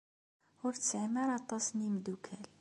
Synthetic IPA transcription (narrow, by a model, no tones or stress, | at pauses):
ʊɾt͡sːəʕmæɾˤɑt̪ˤɑsnimd̪ukʰæl